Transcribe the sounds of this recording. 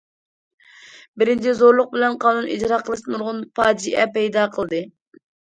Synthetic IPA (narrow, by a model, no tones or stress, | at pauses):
bɪɾɪnt͡ʃʰizoɾlˠʊq̚bɪlɛnqʰɑːnunid͡ʒɾɑqʰəlˠɨʃt̪ɨnuɾʁʊnpʰɑːd͡ʒd͡ʒiʔɛpɛjd̪ɑqʰəlˠd̪ɨ